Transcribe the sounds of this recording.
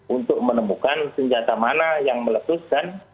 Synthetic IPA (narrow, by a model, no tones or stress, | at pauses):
unt̪ʊk̚mənəmukansəɲd͡ʒat̪amanajaŋmələt̪ʊskan